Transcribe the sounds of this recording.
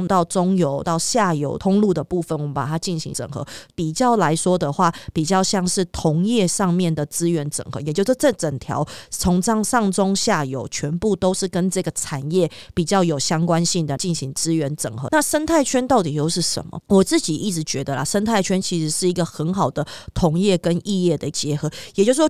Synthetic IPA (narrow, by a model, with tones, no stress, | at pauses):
ŋt̪ɑ˥˩ʊʈ͡ʂʊ˥ŋjo˧˦ʊt̪ɑ˥˧ʊɕja˥˩jo̰˨˧˥ʊt̪ʰʊ˥ŋlu˥˩d̪ə˩pu˥˩fə˨˩nwɔ˨˧˦pa˨˩t̪ʰa˥t͡ɕi˥˩nɕḭ˧˥ŋt͡sə̰˨˩ŋxɤ̰˧˦pi˨˩t͡ɕjɑ˥˩ʊla˧˥ɪʂwɔ˥d̪ə˨xwa˥˩pi˨˩t͡ɕjɑ˥˧ʊɕjɑ˥˧ŋʂɻ̩˥˩t̪ʰʊ˧˥ŋjɛ˥˧ʂɑ˥˧ŋmjɛ˥˩nd̪ə˩t͡sɹ̩˥ɥɛ˧˦˥nʈ͡ʂə̰˨˩ŋxɤ̰˧˦jɛ˨˩t͡ɕjo˥˧ʊʂɻʈ͡ʂə˥˩ʈ͡ʂə˨˩ŋt̪ʰjɑ̰˧˥ʊt͡sʰʊ˧˥ŋʈ͡ʂɑ˥ŋʂɑ˥˩ŋʈ͡ʂʊ˥ŋɕja˥˩jo̰˨˩ʊt͡ɕʰɥɛ˧˥npu˥˧t̪o˥ʊʂɻ̩˥˩kə˦˥nʈ͡ʂɤ˥˩ɡə˩ʈ͡ʂʰa˨˩njɛ˥˩pi˨˩t͡ɕjɑ˥˩ʊjo˨˩ʊɕjɑ˥ŋkwa˦nɕi˥˩ŋd̪ə˩t͡ɕi˥˩nɕi˧˥ŋt͡sɹ̩˥ɥɛ˧˥nt͡sə̰˨˩ŋxɤ̰˧˦na˥˨ʂə˥nt̪ʰa˥˧ɪt͡ɕʰɥɛ˥nt̪ɑ˥˩ʊt̪i˨˩jo˥˧ʊʂɻ̩˥˩ʂə̰˧˦nmə̰˨˩wɔ˨˩t͡sɹ̩˥˩t͡ɕi˨˩ʔi˥˩ʈ͡ʂ̩˧˥t͡ɕɥɛ˧˥d̪ə˨la̰˨ʂə˥nt̪ʰa˥˩ɪt͡ɕʰɛ˥nt͡ɕʰi˧˥ʂɻ̩˧˥ʂɻ̩˥˩i˧˥ɡə˨xə˧˥nxɑ˨˩ʊd̪ə˦t̪ʰʊ˧˦ŋjɛ˥˩kə˦ni˥˧jɛ˥˩d̪ə˨t͡ɕjɛ˧˥xɤ˨˦jɛ˨˩t͡ɕjo˥˧ʊʂ̩˥˩w